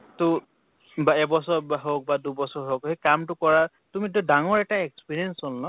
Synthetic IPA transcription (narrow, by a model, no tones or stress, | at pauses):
tʊ | baɛbɔsɔɹbaɦok̚badubɔsɔɹɦokɦejkamtʊkɔɹa | tumit̬udaŋɔɹɛtaekspiɹiɛnsɔlnɔ